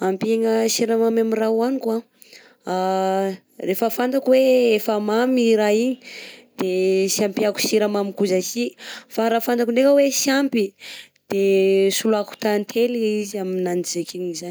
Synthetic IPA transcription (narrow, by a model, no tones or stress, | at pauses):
ampieŋəsiɾamamamirawanikwa | a | refəfand̪akweefamamiɾaiɲid̪̥esjampiaku̥siɾamamikuzasifaɾafanakunekəwesjampi | d̪̥esuluaku̥t̪ant̪ʰeliizaminanzekʰiɲizan